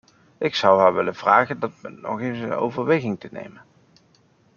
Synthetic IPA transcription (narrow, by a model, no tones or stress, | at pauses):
ʔɪksʌwɦaːɹʋɪlənv̥raːχəndɑtmɛnnɔ̰χejnsəno̰wvəɹʋejɣɪŋtənḛjmən